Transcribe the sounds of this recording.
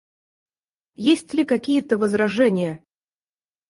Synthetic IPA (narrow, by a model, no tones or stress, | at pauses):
jesʲtʲlʲɪkɐkʲijət̪əvəzɾɐʐɛnʲɪjə